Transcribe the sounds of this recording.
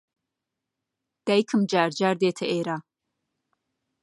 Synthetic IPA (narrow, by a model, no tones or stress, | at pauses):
d̪̥ajkʰɨmd͡ʒaːɾd͡ʒaːɾd̪eːt̪ʰɐʔeːɾa